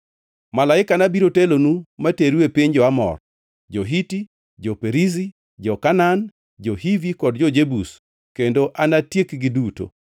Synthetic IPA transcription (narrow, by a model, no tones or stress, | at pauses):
malaɪkanabiɾotelonumateɾepiɲd͡ʒɔamɔ̰r | d͡ʒoɦiti | d͡ʒɔpeɾizi | d͡ʒɔkanan | d͡ʒohivikɔdd͡ʒɔd͡ʒebus | kendoʔanatjekɡɪduto̰